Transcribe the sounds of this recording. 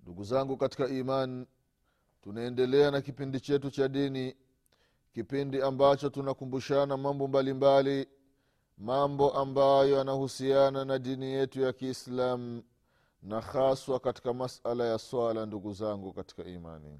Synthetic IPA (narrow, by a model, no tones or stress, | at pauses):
nduɡuzaŋɡukati̥kaiman | tunaɛndɛlɛanakipindit͡ʃɛtut͡ʃaɗini | kipindiambat͡ʃɔtunakumbuʃanamambɔmbalimbali | mambɔʔambajɔanahusiananaɗinijɛtujakiːslamu | naxaswakati̥kamasalajaswalanduɡuzaŋɡukati̥kaḭma̰nḭ